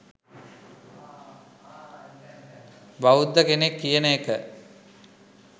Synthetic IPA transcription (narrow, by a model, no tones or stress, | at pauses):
baud̪ːəkenekːijənəekə